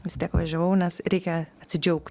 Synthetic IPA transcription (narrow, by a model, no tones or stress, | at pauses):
ʋʲɪst̪ʲiɛkʋɐ̰ʒʲɛʋɐʊnʲɛsɾʲɛɪkʲɛɐt̪ʲsʲɪd͡ʒʲɛʊkt